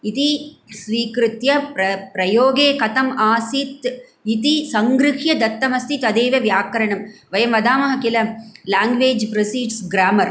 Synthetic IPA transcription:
it̪isʋiːkɾɪt̪jɐpɾɐpɾɐjoːɡeːkɐt̪ɐmaːsit̪ | it̪isɐŋɡɾɪɦjɐd̪ɐt̪ːɐmɐst̪ʰit̪ɐd̪eːʋɐʋjaːkɐɾɐɳɐmʋɐjɐmʋɐd̪aːmɐɦɐkilɐlaːŋɡʋeːd͡ʒpɾɐsiːɖsɡɾaːmɐɾ

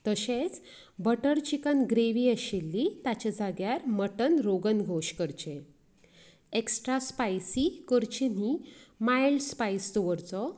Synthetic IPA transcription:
t̪əɕet͡s | bəʈəɾt͡ɕikənɡɾeʋiːəɕilːit̪at͡ɕad͡zaɡjaɾməʈənɾoɡənɡʱoɕkəɾt͡ɕe | eksʈɾaspajsikəɾt͡ɕinimajlɖspajsd̪ɔʋəɾt͡sɔ

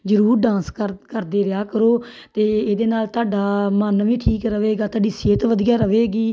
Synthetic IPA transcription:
d͡ʒəɾuːɾɖãːnskəkəɾd̪eːɾɪjaːkəɾoː | t̪eːeːd̪eːnaːlt̪ʊaːɖaːmənʋĩːʈʰiːkɾəʋeːɡaːt̪oaːɖiːseːt̪ʋəd̪ijaːɾəʋeːɡiː

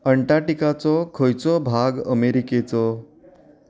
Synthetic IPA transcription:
əɳʈaʈikat͡sɔkʰəjt͡sɔbʱaɡə̰meɾiket͡sɔ

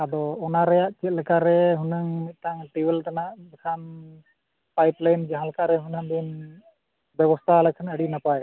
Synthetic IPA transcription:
ad̪ɔːnaɾɛjaʔt͡ʃit̪̚lɛkaɾɛɦunəŋt̪aŋʈiwəlt̪anaʔdɛkʰan | pajplajnd͡ʒaɦãlɛkaɾɛɦunaŋd̪in | bɛβɔst̪ʰalɛkʰanəɽinapaj

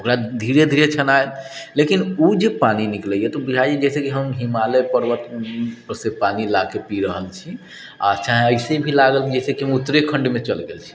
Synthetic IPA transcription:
okɾad̪ʱiɾed̪ʱiɾet͡ʃʰənaet̪lekinud͡ʒepaninikləjɛt̪ɔbud͡ʒʱajjɛd͡ʒɛjsekiɦəmɦimalepəɾʋət̪pəɾsepanilakepiɾəɦəlt͡ʃʰi | a̰t͡ʃaɦĩəɪsebʱilaɡəlkid͡ʒɛjsekiɦəmut̪ːɾekʰəɳɖmet͡ʃəlɡḛlt͡ʃʰi̥

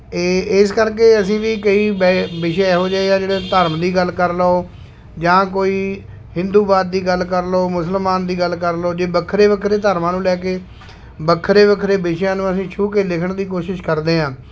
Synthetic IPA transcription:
ɪskəɾk̬eːəsĩːʋiːkəiːbbɪʃɛɛːɦoːd͡ʒaːeːãːd͡ʒeːɽeːt̪əɾmd̪iːɡəlkəɾlaoː | d͡ʒãːkoːiː | hɪ̃nd̪uːbaːd̪̚ːiːɡəlkəɾloːmʊsəlmaːnd̪iːɡəlkəɾloːd͡ʒeːbəkʰːɾeːbəkʰɾeːt̪əɾmãːnũːlɛːkeː | bəkʰːɾeːbəkʰːɾeːbɪʃjãːnũːəsĩːt͡ʃʰuːkeːlɪkʰəɳd̪iːk̬oːʃɪʃkəɾd̪eːɦãː

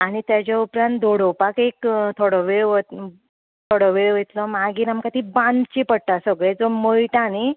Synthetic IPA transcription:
aɽ̃it̪jat͡ɕjaupɾãnt̪d̪oɽopakekt̪ʰoɽɔʋeɭʋə | t̪ʰoɽɔʋeɭʋət̪lɔmaɡiːɾamkat̪iːbãnd̪t͡ɕipəɽʈ̪asəɡɭed͡zomojʈani

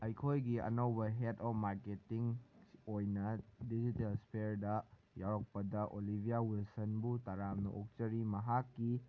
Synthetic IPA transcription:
ɐjkʰojɡiɐ̰nowbɐɦetɔfmaɾketiŋojnɐdid͡ʒitelspʰeɾdɐ | jawɾɐk̚pɐdɐʔolibʱijawilsɐnbutaɾamnɐ̰ʔok̚t͡ʃɐɾimɐɦakːi

